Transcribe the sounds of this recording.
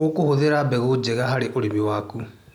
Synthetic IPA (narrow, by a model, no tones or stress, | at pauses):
okohoðeɾabɛɣod͡ʑeɣaɦaɾeʔoɾimewaːku